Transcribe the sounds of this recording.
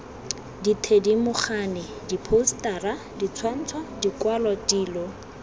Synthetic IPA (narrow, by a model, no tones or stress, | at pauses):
ditʰedimʊχaːnɪ | dipʰostaːra | dit͡sʰwan̩t͡sʰwadikwalɔdiːlɔ